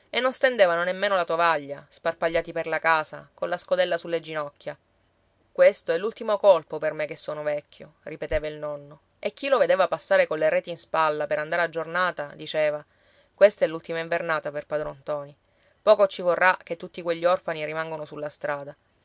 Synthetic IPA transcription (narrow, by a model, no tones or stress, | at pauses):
enːonst̪end̪eːvanonemːeːnolat̪oavaʎːasparpaʎːaːt̪iperlakaːsakonlaskod̪ɛlːasulːed͡ʒinɔkʲːja | kwest̪oɛlːult̪imokolpopermekːesːoːnovɛkʲʰːjo̰ | ripet̪eːvailnɔnːo | ek̟ːiloved̪eːvapasːaːɾekolːeɾɛːt̪inspalːapeɾand̪aːɾead͡ʒornaːt̪ad̪it͡ʃeːva | kwest̪ɛlːult̪imaiɱvernaːt̪aperpad̪ɾɔnt̪ɔːni | pɔːkot͡ʃivorːak̟ːet̪ːut̪ːikweʎːiɔrfaniɾimaŋɡonosulːast̪ɾaːd̪a